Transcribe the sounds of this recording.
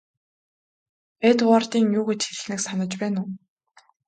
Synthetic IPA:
et̪wart̪iːŋjuːɣet͡ɕxeɮ̆xnɘ̆ksanə̆t͡ɕpæːnʊː

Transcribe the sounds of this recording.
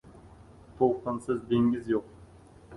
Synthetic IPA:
t̪ʰoqʰənsɨzd̪eŋɡʲɪzjoq̚

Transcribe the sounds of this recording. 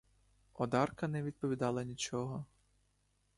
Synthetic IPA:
ɔd̪ɑrkɐnɛʋʲid̪̚pɔʋʲid̪ɑlˠɐnʲit͡ʃɔɦɔ

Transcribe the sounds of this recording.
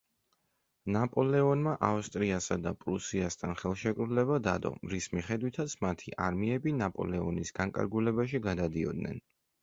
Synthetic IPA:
napʼɔlɛɔnmaʔaust̪ʼɾiasad̪apʼɾusiast̪ʰanχɛlˠʃɛkʼɾulɛβad̪ad̪ɔ̰ɾismiχɛd̪wit̪ʰat̪sʰmat̪ʰiʔaɾmiɛbinapʼɔ̰lɛɔnisɡ̥aŋkʼa̰ɾɡulɛbaʃiɡad̪ad̪iɔ̰d̪nɛ̰n

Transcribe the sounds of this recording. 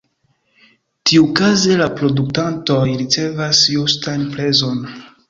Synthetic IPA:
tiukazelapɾo̞duk̚tanto̞jɾit͡se̞vasjustanpɾe̞zo̞n

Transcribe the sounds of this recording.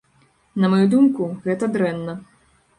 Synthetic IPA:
nɐmɐjud̪umkuɣɛt̪ɐd̪ɾɛnːɐ

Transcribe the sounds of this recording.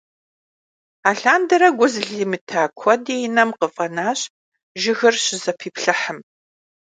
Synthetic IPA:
aːɬaːndɐɾɐɡʷʊzɮimɨtʰaːkʷʰɔdeːjɪnɐmqəfʼɐnaːɕʼ | ʒɪɣɨrɕɪzɐpʰiːpʰɬɐħəm

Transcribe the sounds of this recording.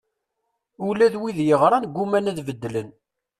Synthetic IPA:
ulæðwiðjəʁɾˤɑnɡʷːumænæðvəd̪ːlən

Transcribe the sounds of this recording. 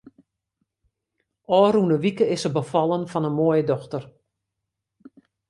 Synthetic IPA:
ɔːrunəʋikəɪsəbəfɑlˠənfɔnənmoəjədɔxtər

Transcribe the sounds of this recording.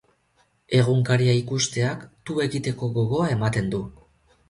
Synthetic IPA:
e̞ɣ̞uŋkaɾiaikust̪e̞akt̪ue̞ɣit̪e̞ko̞ɣo̞ɣo̞ae̞mat̪e̞nd̪u

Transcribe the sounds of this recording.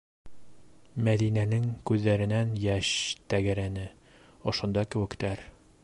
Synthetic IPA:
mæðinænɘŋkʉðːæɾɘ̆nænjæʃt̪æɡæɾænɘ | ŏʃŏnd̪ɑkɘ̆wɘ̆kt̪æɾ

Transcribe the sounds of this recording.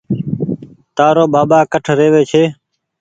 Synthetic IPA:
t̪aːɾoːɓaːɓaːkəʈʰɾeːʋeːt͡ʃʰeː

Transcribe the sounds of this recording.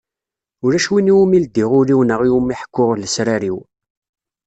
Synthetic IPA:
ʊɾæʃwiniwumild̪iʁʊɾiwnəʁiwumiħkːʊʁləsɾaɾiw

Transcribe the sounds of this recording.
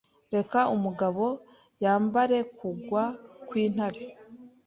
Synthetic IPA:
ɾe̞kaumuɡaβo̞ | jaːmbaɾe̞kuɡwakwiːn̥haɾe

